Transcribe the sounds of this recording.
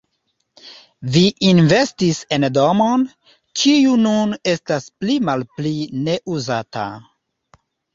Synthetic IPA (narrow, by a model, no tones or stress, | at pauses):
viʔinve̞stisendomo̞n | t͡ʃiunune̞stasplimalpline̞ʔuzata̰